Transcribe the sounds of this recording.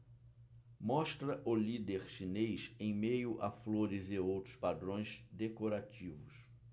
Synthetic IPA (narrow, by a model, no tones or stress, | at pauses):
mɔʃt̪ɾɐʔʊlid̪eɾʃinejʃẽj̃mejʊʔa̰floɾɪzɪowt̪ɾʊspad̪ɾõj̃zd̪ekoɾat͡ʃivʊs